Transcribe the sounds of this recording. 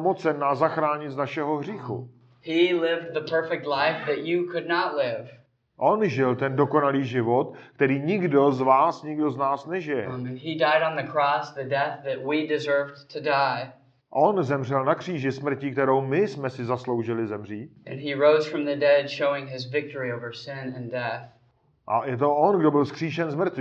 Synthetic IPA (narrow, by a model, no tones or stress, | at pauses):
mot͡sɛnːazaxɾaːɲɪznaʃɛɦoɦr̝iːxṵ | hilɪvd̪̚ðəpʰɜ˞fɛk̚tˡlaɪfðɨt͡ʃɨkʰʊdⁿnətlɪv̥ | ʔo̞nʒɪlt̪ɛndo̞ko̞naliːʒɪvo̞t̪kt̪ɛɾiːɲɪɡdo̞zvaːsɲɪɡdo̞znaːsnɛʒɪjɛ̰idaɪɾn̩ðɨkʰɹ̥ɔsðɨdɛθðɨt̚widɨzɜ˞vtʰɨdaɪ | ʔo̞nzɛmr̝ɛlnakr̝̥iːʒɪsmr̩cɪk̚t̪ɛɾowmɪsmɛsɪzaslo̞wʒɪlɪzɛmr̝iːʔɨ̃niɹoʊz̥fɹʌ̃mðɨdɛd̥ʃoʊɪ̃ŋɪzvɪk̚tə˞ioʊvə˞sɪ̃nɨ̃ndɛθ | ʔajɛt̪̬o̞ʔonɡdo̞bɪlskr̝̥iːʃɛnzmr̩t̪vi